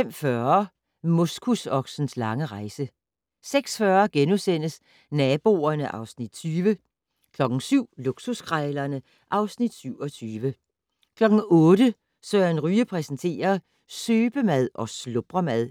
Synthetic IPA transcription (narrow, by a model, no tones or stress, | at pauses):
fem̰fɶɐɐɐ | mo̝skʰusɒ̽ɡ̥sn̩slɑ̈ŋəʁɑ̈ɪsə | seɡ̥sfɶːɐɡ̥enusen̰əs | nɛːb̥o̝̰ːɐnəʔɑ̈ʊsnid̥t͡sʰyːʋə | kʰlɒ̽ɡ̥n̩syʊ̰luɡ̥suskʰʁaɪlɐnə | ʔɑ̈ʊsnid̥syʊ̰ɒ̽t͡sʰyːʋə | kʰlɒ̽ɡ̥n̩ɔ̽ːdə | søːɐnʁyːəpʰʁɛsnt͡sʰe̝̰ːɐ | søːb̥əmæð̞ˠʔɒ̽slob̥ʁɐmæðˠ